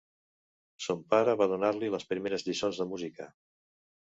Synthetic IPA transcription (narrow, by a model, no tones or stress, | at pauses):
sompaɾəβað̞unaɾliləspɾimeɾəzʎisonzðəmuzikə